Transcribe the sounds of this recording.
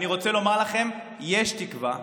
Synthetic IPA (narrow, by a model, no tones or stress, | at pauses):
niʁo̞t͡selo̞maʁlaχe̞m | je̞ʃtikva